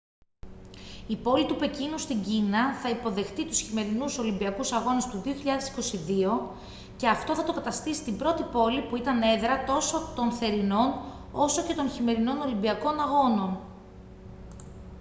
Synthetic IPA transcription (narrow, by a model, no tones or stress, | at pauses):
ipo̞lit̪upe̞cinust̪iɲɟinɐθɐipo̞ðe̞xt̪it̪usçime̞ɾinuso̞limbiɐkusɐɣo̞nest̪uðioçiʎɐðe̞si̥ko̞siðio̞ | ceɐft̪o̞θɐt̪o̞kɐt̪ɐst̪isi̥t̪ibɾo̞t̪ipo̞lipuit̪ɐne̞ðɾɐt̪o̞so̞t̪o̞nθe̞ɾino̞n | o̞so̞ce̞t̪o̞nçime̞ɾino̞no̞limbiɐko̞nɐɣo̞no̞n